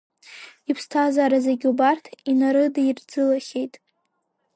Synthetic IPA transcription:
ipʰstʰazaɾazaɡʲubartʰinaɾɨdaird͡zɨlaχʲejtʼ

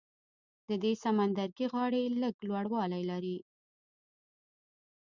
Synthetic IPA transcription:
d̪əd̪esamand̪aɾɡiɣɑɽeləɡlwaɽwɑlajlaɾi

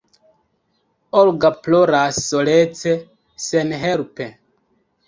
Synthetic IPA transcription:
olɡaploɾasːolet͡se | senɦelpe

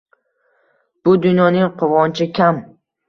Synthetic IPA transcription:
b̥ʊd̪ʊnjɒnɪŋqʰʊvɒnt͡ʃʰɪkʲʰam

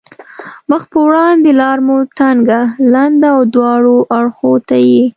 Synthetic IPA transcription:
məxpəwɽɑnd̪elɑɾmut̪aŋɡaland̪aawd̪wɑɽoʔaɽxot̪aji

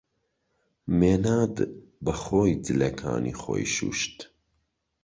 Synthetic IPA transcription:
meːnaːd̪bɐχoːjd͡zɨlɐkʰa̰ːnḭːχo̰ːjʃṵːʃt̪

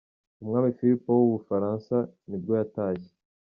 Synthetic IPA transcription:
umŋaːmifiɾipowuβufaɾaːnsanibɡojataːje̥

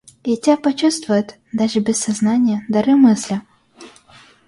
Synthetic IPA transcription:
itʲapɔt͡ʃust̪vʋʊjet̪ʲ | d̪aʐɛbʲɪsɐznɑnʲijɐd̪ɐɾɪmɪsʲlʲɐ

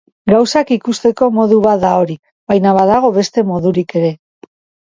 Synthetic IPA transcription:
ɡawsakikust̪e̞ko̞mo̞ðuβat̪d̪ao̞ɾi | βajnaβaðaɣ̞o̞βe̞st̪e̞mo̞ðuɾike̞ɾe̞

